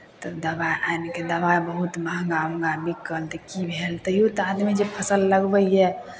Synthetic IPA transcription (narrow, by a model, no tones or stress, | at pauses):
t̪əd̪əbaeʔanked̪əbaebəɦut̪məɦɡamɡamikːəlt̪ɛkibʱelt̪əjot̪ad̪med͡ʒepʰəsəlːəɡbəjɛ